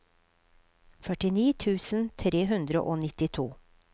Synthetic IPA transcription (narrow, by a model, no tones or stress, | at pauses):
fœʈɪniːt̪ʰʉːsn̩t̪ʰɾeːɦʉnd̪ɾə̰ʔoːnɪt̪ɪt̪ʰuː